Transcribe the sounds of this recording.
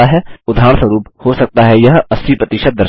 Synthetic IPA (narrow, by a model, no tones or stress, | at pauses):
aɦɛːʊd̪ʱaːɳswəɾuːphosɐk̚t̪aɦɛjɐɦɐsipɾət̪ɪʃət̪̚d̪əɾ